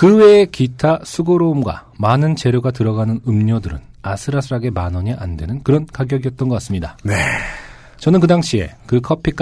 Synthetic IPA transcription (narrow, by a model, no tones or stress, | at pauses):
kɯwe̞ːkitʰasʰuɡoɾoumɡwa̰ | manɯnt͡ɕe̞ɾjoɡatɯɾʌɡanɯnɯmɲodɯɾɯ̰nasʰɯɾasʰɯɾaɡe̞manʌɲiʔandwe̞nɯnkɯɾʌnkaɡjʌɡiʌt̚t͈ʌnɡʌkas͈ɯmɲidane | t͡ɕʌnɯnk̬ɯdaŋɕʰie̞̰kɯkʰʌpʰik͈